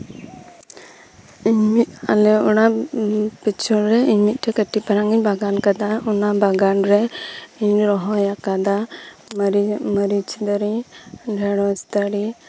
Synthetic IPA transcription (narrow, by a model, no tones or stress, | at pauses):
iɲmit̪̚alɛuna | pit͡ʃʰɔnɾɛiɲmit̪̚ˀʈɛkəʈipaɾaŋɡiɲbaɡankad̪aunabaɡanɾɛiɲɾɔɦɔjakad̪a | ɾiməɾit͡ʃid̪aɾiɖʱɛɽɔst̪aɽi